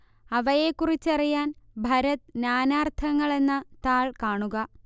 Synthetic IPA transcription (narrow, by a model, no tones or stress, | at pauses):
ɐʋɐje̞kːurit͡ɕːɐrijaːnbʱɐɾɐt̪ɨnaːnaːrt̪ʰɐŋːɐɭe̞nːɐt̪aːɭkaːɳuɣɐ